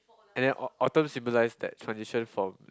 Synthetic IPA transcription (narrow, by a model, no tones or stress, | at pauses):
ɛ̃ndɛ̃nʔʔɔtə̃msĩmbolaɪsdɛ̰ttʰɹãnsiʃə̃nfɹɔ̃m